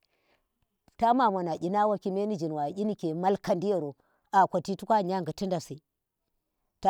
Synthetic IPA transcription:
ta˦ma˨mo˨na˨ɡʲi˨na˦wa˦ki˦me˦ni˦d͡ʒi˨nwa˨i˦ni˦ke˨ma˦lka˨ndi˦ja˦˨ɾo˨ | a˨kʷa˨ti˦tu˦kʷa˦˨ɲa˦ŋɡi˨ti˦nda˨si˨ | ta˨

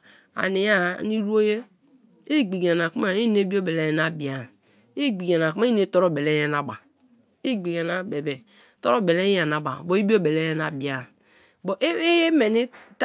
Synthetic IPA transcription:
a̰˨ni˨ja˦˨ni˦ɾu˦o˦je˦ | i˦ɡ͡bi˨ɡa˨n˨a˨ku˦ma˦˨i˦ne˦bi˦o˦be˨le˦je˨na˨bi˨a˨ | i˦ɡ͡bi˨ɡa˨n˨a˨ku˦ma˦i˦ne˦to˦ɾo˦˨be˨le˦je˦na˨ba˨ | i˦ɡ͡bi˨ɡe˨na˨be˨be˨ | to˦ɾo˦˨be˨le˦a˨na˨ba̰˨bo˨˦i˦bi˦o˦be˨le˦je˦na˨bi˨a˨ | bo˨ʔe˦je˦me˨ni˦t

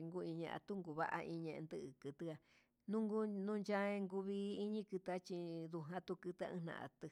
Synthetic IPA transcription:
ŋɡu˦˧ĩ˧ɲã̰˧ʔa̰˧t̪u˦ŋɡu˨βa̰˦ʔa̰˧ʔĩ˧ɲẽ˧ʔḛ̃˧nd̪ɨ˧ʔɨ˨kɨ˧t̪ɨ˦a˧ | nũ˦ŋɡu˦nũ˦˧nt͡ʃa˦ẽ˧ŋɡu˧βiː˧˦ɲĩ˦kɨ˧t̪a˦t͡ʃi˧ðu˧ɦã˦t̪u˧kɨ˧t̪a̰˧ɨ̃˦˧nã̰˧˨ʔa̰˧t̪ɨ˧

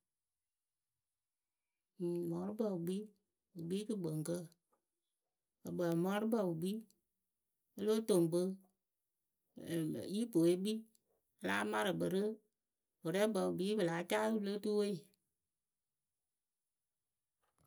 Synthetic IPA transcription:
mɔ˨˦ɾu˦bə˧˨u˨ɡ͡bi˦ | u˨ɡ͡bi˦kɨ˦ɡ͡bə˨ŋ˨kə˦ | ə˨bə˨mɔ˨˦ɾɨ˦bə˦˨u˨ɡ͡bi˦ | ə˦lo˦to˨ŋbə˦˨ | ji˦po˨e˨˦ɡ͡bi˦˧ | laː˦ma˦ɾɨ˨bə˨ɾɨ˦ | wo˨ɾɛ˦bə˨u˨bi˦bə˨la˨˦t͡ʃa˦u˦˧lo˦tu˦we˦i˨

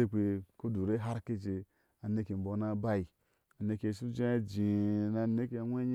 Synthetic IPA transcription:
e˦k͡pe˨ko˦du˨ɾe˦ɦa˦ɾke˦˨t͡ʃe˨ | a˨ne˦ke˨m̩˨bo˨˦na˦ba˦i˨ | a˨ne˨ke˨su˦d͡ʒe˦d͡ʒi˨na˨ne˦ke˦a˨ŋʷ˦e˦ɲ˦

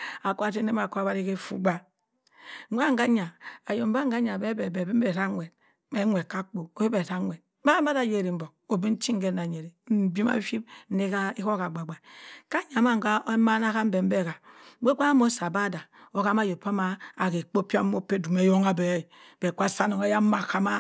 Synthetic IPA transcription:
a˨ko˦a˦te˦ne˦ma˨ko˦a˦ba˦ɾi˦ke˦fṵ˦ɡ͡ba˦ | wʷa˦ŋ˦ɡa˦ɲa˨a˨jo˨m̩˦ba˦ŋ̩˦ɡa˦ɲa˨be˦be˨be˨bi˦m˦be˨ɾa˦ŋʷe˨d̚ | me˦ŋʷe˨ka˦k͡po˨o˨˦e˦be˨ɾa˦ŋʷe˨d̚ba˦a˦da˨je˦˨ɾi˨m̩˦bo˨ | o˨bi˦n̩˦t͡ʃi˦ŋ˦ɡe˦na˨ɲe˨ɾe˨m̩˦bi˦ma̰˦fi˦b̩̚˦ne˦ka˦e˦ko˦ka˨ɡ͡ba˨ɡ͡ba˨ka˦ɲa˨ma˦ŋ̩˨ɡa˦ma˦na˦ka˦m̩˦be˨m̩˦be˦˨ka˨˦e˦k͡pa˦mo˦sa˨ba˦da˨o˦ka˦ma˦˨jo˨pːa˦ma˦a˨ke˨k͡po˦pi˦a˦o˦pːe˦du˨me˦jo˦ŋa˦be˨˦˨b̥e˨ka˦sa˦no˨ŋa˦ja˦ma˨ka˦ma˦

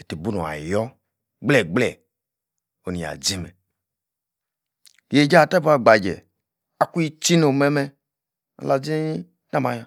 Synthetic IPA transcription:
e˨te˨bu˦no˨a̰˨jɔ˦ | ɡ͡blɛ˨ɡ͡blɛ˦˨ | o˨ni˨a̰˨d͡zi˦mɛ̰˨ | je˨d͡ʒa˦˨ta˦bu˨˦a˨ɡ͡ba˨d͡ʒɛ̰˨ | a˨ku˦i˦t͡ʃi˦no˨mɛ˦mɛ˧ | a̰˨la˨d͡zi˦ | na˦˨ma˨˦ja˨

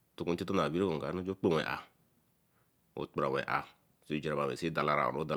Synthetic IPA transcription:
tu˦ku˦n̩˦ti˦to˦na˨bi˦ɾe˦ko˨ɡa˨˦no˦d͡ʒo˦k͡po˦wɛ̰˨ʔa̰˨ | o̰˨˦tɾa˨wɛ̰˨ʔa̰˨ | si˦˨d͡ʒɾa˨ba˨wɛ̰˨si˦da˨la˦ɾa̰˨o̰˨o˦da˨

